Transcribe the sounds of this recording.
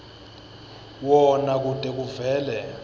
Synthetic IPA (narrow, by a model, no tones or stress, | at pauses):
wɔnak̬ud̥ʼʱɛk̬uvɛːlɛ